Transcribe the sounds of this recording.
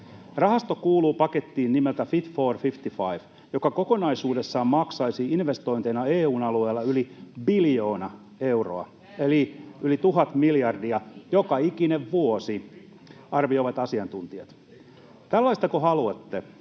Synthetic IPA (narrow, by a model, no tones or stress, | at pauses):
rɑhɑst̪okuːluːpɑket̪ːiːnnimelt̪æfit̪foːrfift̪ifɑiʋ | jokɑkokonɑisuːde̞sːɑːmmɑksɑisiinʋest̪o̞int̪enɑeːuːnɑlueːlːɑylibiljoːnɑ | e̞uro̰ɑ̰ | eliylit̪uɦɑt̪miljɑrdiɑjokɑikineʋʋuosi | ɑrʋio̞iʋɑt̪ɑsiɑnt̪unt̪iɑt̪ | t̪ælːɑist̪ɑkoɦɑluet̪ːe